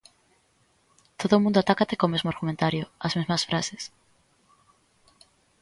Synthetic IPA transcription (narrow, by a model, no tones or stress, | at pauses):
t̪oðoːmũnd̪oat̪akat̪ekomezmoaɾɣumẽnt̪aɾjoazmezmɐsfɾases